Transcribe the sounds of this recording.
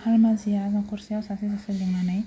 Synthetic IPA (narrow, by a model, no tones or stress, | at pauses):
halmazianakursiasasis̬asiliŋmanɛj